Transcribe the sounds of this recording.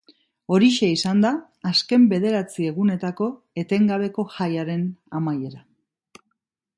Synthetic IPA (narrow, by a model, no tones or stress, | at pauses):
o̞ɾiʃeisand̪aː | ske̞mbe̞ð̞e̞ɾat͡sie̞ɣune̞t̪ako̞ | e̞t̪e̞ŋɡaβe̞ko̞xajaɾe̞namaje̞ɾa